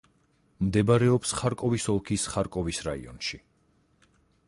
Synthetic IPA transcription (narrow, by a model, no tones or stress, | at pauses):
md̪ɛbaɾɛɔpsχaɾkʼɔvisɔlˠkʰisχaɾkʼɔvisɾaḭɔ̰nʃi